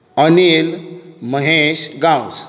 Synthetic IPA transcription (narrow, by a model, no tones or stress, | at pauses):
ənilməɦeɕɡãws